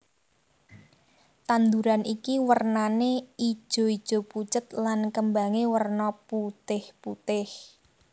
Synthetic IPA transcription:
t̪and̪uɾanikiwərnanei̥ʒ̥ɔ̤id̥ʒ̥ɔ̤put͡ʃət̪̚lankəmbaŋewərnɔput̪ɪhput̪ɪh

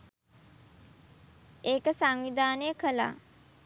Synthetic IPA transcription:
eːkəsaŋʋid̪aːnəjəkʰəla̰ː

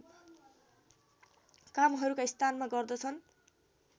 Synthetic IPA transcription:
kamɦʌɾukaist̪ʰanmaɡʌrd̪ʌt͡sʰʌn

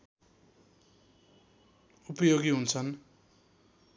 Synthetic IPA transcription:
upʌjoɡiɦunt͡sʰʌn

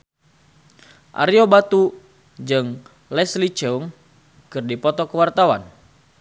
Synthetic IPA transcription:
ʔa̰ɾiobat̪u | d͡ʒɨŋ | lɛslit͡ʃɛuŋ | kɨrdipɔt̪ɔkəwart̪awa̰n

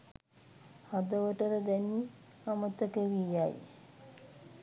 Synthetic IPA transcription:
had̪əʋəʈəɾəd̪ɛnːi | amət̪əkəʋijaj

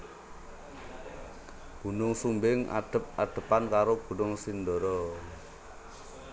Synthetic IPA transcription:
b̥ṳnʊŋsumbɪŋʔa̰ɖ̥ə̤p̚ʔaɖ̪̥ə̤pankaɾob̥ṳnʊŋsind̪ɔɾɔ

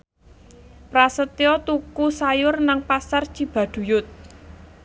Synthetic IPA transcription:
pɾasət̪iɔt̪ukusajʊrnaŋpasart͡ʃib̥a̤ɖ̪̥ṳjʊt̪̚

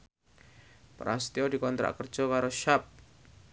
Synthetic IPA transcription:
pɾa̰st̪iɔdikɔnt̪ɾʔa̰ʔkərdd͡ʒ̥ɔkaɾoʃap̚

